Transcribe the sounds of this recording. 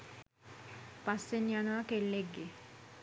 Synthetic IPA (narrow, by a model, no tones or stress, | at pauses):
pasːenianoakelːeɡːe